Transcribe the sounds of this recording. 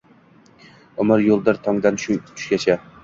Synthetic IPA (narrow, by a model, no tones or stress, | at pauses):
ʊmɪɾjolˠd̪ɪɾt̪ʰɒŋd̪anʃʊt̪ʰʊ̥ʃkʲat͡ʃʰa